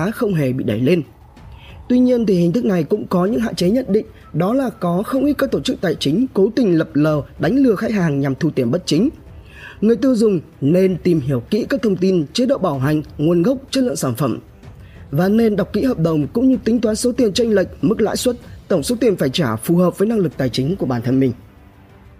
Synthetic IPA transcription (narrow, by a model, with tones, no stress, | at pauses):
aː˨˦xə˧wŋ͡mɦe˧˩ɓḭ˧˨ɗa˧˩jle˧n | t̪wi˧ɲi˧ənt̪ʰi˨˩hï˨˩ŋ̟t̪ʰɨ˦˥k̚na˨˩jkʊ̰˧˥ŋ͡mkɔ˨˦ɲɨ̰˧˥ŋɦa̰ː˧˨t͡ɕe˨˦ɲə˦˥t̚ɗḭ˧˨ŋ̟ | ɗɔ˨˦laː˨˩kɔ˨˦xə˧wŋ͡mʔi˦˥t̚kaː˦˥k̚t̪o˧˩t͡ɕɨ˦˥k̚t̪a̰ː˧˨jt͡ɕï˨˦ŋ̟ko˨˦t̪ï˨˩ŋ̟lə˨˩p̚ləː˨˩ɗa˨˦jŋ̟lɨ˧˩əxaː˨˦˥j̚ɦaː˨˩ŋɲa˨˩mt̪ʰu˧t̪i˨˧˩ənɓə˦˥t̚t͡ɕï˨˦ŋ̟ | ŋɨ˨˩əjt̪ɨ˧əwzʊ˨˩ŋ͡m | ne˧nt̪i˨˩mɦi˧˩əwkḭ˧˥kaː˦˥k̚t̪ʰə˧wŋ͡mt̪i˧nt͡ɕe˨˦ɗo̰˧˨ɓaː˧˩wɦa˨˩jŋ̟ŋu˨˩ənɣə˦˥wk͡p̚t͡ɕə˦˥t̚lɨ̰˧˨əŋsaː˧˩nfə˧˩m | vaː˨˩ne˧nɗa˨˩wk͡p̚kḭ˧˥ɦəː˨˩p̚ɗə˨˩wŋ͡mkʊ̰˧˥ŋ͡mɲɨ˧t̪ï˨˦ŋ̟t̪waː˨˦nso˨˦t̪i˨˩ənt͡ɕa˧jŋ̟lə̰˧˨jk̚mɨ˦˥k̚la̰ː˧˥jswə˦˥t̚t̪ə˧˩wŋ͡mso˨˦t̪i˧˩ənfaː˧˩jt͡ɕaː˧˩fu˨˩həː˨˩p̚vəː˨˦jna˧ŋlɨ˨˩k̚t̪aː˨˩jt͡ɕï˨˦ŋ̟ku˧˩əɓaː˧˩nt̪ʰə˧nmï˨˩ŋ̟